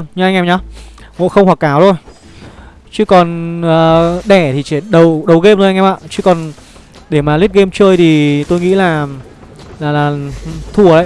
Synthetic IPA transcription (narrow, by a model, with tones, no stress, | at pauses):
nɲɨ˧ʔa˧ŋʔɛ˧mɲɔ˨˦ŋo̰˧˨xə˧wŋ͡mhwa˨˩k̚ːaː˨˦wt̪ʰo˧j | t͡ɕɨ˨˦˥kɔ˨˩nəː˨˩ɗɛ˧˩t̪ʰi˨˩t͡ɕɛ˧˩ɗə˨˩wɗə˨˦wɣe˧p̚no˧˨˧ŋɛ˧mʔa̰ː˧˨t͡ɕɨ˦˥kɔ˨˩n | ɗe˧˩maː˨˩li˦˥t̚ɣe˧mt͡ɕəː˧jt̪ʰi˨˩t̪o˧jŋḭ˧˥laː˨˩ | laː˨˩laː˨˩˧t̪ʰu˧˩əla̰ː˧˨